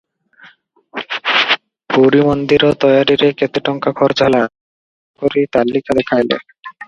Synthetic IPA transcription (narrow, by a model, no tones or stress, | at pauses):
puɾimond̪iɾot̪ɔjaɾiɾeket̪eʈɔŋkakʰɔɾd͡ʑɦɛla | koɾit̪alːikad̪ekʰajlḛ